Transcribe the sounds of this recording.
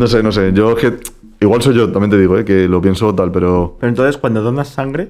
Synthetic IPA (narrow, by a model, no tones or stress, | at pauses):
no̞s̬e̞no̞s̬e̞ʝo̞exke̞ | iɣwalso̞jʝo̞t̪amjent̪e̞ðiɣ̞oe̞ke̞lopje̞nso̞t̪alpe̞ɾo̞peɾont̪onθeskwand̪oðonasaŋɡɾe